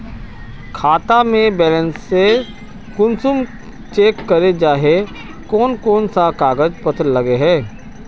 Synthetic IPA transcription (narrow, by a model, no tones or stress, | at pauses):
kʰaːt̪amẽbɛːlə̃nsːe | kʊnsʊm | t͡ʃeːkːəɾed͡ʒaːɦe | kɔːnkɔːnsakaːɡəd͡ʒpət̪ʰlɐɡeɦɛ̃ː